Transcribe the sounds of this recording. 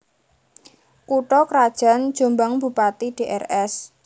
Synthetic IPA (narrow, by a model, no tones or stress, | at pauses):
kuʈɔkɾad̥ʒ̥a̤nd̥d͡ʒ̥o̤mbaŋb̥ṳpat̪iɖ̥eʔɛ̰rɛs